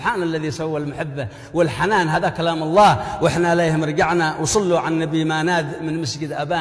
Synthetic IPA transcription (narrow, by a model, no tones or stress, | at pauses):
ħaːnalːaðisawːalmʊħɪbːa | wɪlħanaːnɦaːðakalaːmɑlˤːɑːhwʔɪħnaɪleːhɪmɪɾɡaʕnawsˤɑlːuʕanːabimaːnaːd̪mɪnmɪsd͡ʒɪd̪ʔabaː